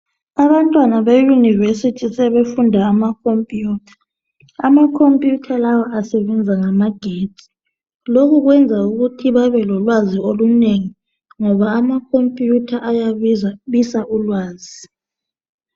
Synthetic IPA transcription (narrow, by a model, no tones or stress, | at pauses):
aβantʼwanaβejunivesitʰisɛβefundʱaːmakʰompʼjuːtʰḁ | amakʰompʼjutʰalawaʔasɛβɛnd͡zʱaŋamaɡ̥ʱeti̥ | lokuɣwɛnd͡zʱauɣutʰiβaβɛlɔlwazioluneŋi | ŋɔβaːmakʰompʼjutʰaʔajaβisaʔulwaːzi